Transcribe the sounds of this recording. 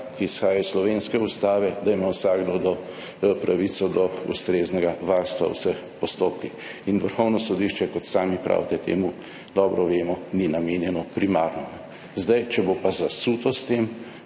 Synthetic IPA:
kiːsxaːjaslɔʋenskɛust̪aːʋɛd̪aimawsaːɡd̪ɔd̪ɔ | pɾaʋit̪sɔd̪ɔṵst̪ɾeːznɛɡaʋaɾst̪ʋa̰w̰səx | pɔst̪oːp̚kix | inʋəɾxɔwnɔsɔd̪iʃt͡ʃɛkɔt̪saːmipɾʔa̰ːwt̪ɛt̪ḛːmu | d̪ɔbɾɔʋeːmɔninameːnjɛnɔpɾimaːɾnɔ | zd̪ajt͡ʃɛbopazasuːt̪ɔst̪eːm

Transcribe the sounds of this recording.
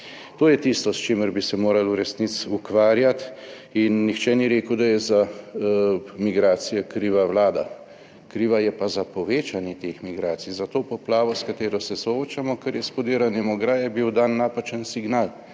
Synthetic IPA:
t̪oːjɛt̪ist̪ɔst͡ʃeːməɾbisɛmoːɾaluɾɛsnit̪sukʋaːɾjat̪ | inːixt͡ʃɛniɾeːkəwd̪ajɛza | miɡɾaːt̪sijɛkɾiːʋawlaːd̪a | kɾiːʋajɛpazapɔʋeːt͡ʃanjɛt̪eːxmiɡɾaːt̪sijzat̪oːpɔplaːʋɔskat̪eːɾɔsɛsɔoːt͡ʃamɔkəɾjɛspɔd̪iːɾanɛmɔɡɾaːjɛbiwd̪anːaːpat͡ʃənsiɡnaːl

